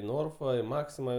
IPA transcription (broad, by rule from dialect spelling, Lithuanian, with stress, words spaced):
ɪ ˈnoːrfɐ ɪ ˈmɑːksʲɪmɐ